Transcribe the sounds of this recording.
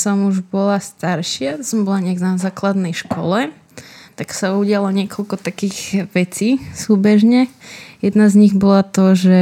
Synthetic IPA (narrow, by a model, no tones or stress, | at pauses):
sɔmuʒbɔlast̪aɾʃɪat̪ɔsɔmbɔlaɲɛɡnazaːklad̪nɛjʃkɔ̰lɛ | t̪aksauɟɪalɔɲɪɛkɔlkɔt̪akiːɣʋɛt͡siːsuːbɛʒɲɛjɛd̪nazɲiɣbɔlat̪ɔʒɛ